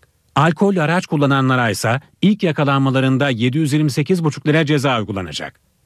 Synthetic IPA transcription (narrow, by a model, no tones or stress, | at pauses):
alʲkʰo̞lʲaɾat͡ʃkʰulˠːananlˠaɾajsa | ilʲcjakʰalˠanmalˠaɾɯnd̪aje̞d̪ijyzjiɾʲmise̞cizbut͡ʃʰu̥klˠaɾɛd͡ʒe̞zaːujɡulˠa̰na̰d͡ʒa̰k̚